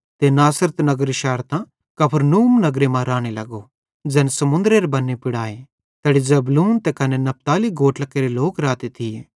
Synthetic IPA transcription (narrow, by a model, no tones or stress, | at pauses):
t̪enaːsəɾət̪nɐɡɾiʃɛːɾt̪ã | kɐpʰəɾnuːmnɐɡɾemãɾaːɽ̃elɐɡo | d͡ʒɛːnsɐmʊ̃nd̪ɾeɾebɐnːepɪɽaːe | t̪ɛːɽid͡ʒɐbluːnt̪ɛkɐnenɐp̚t̪aːliɡʱoːʈlɐkeːɾeloːkɾaːt̪et̪ʰi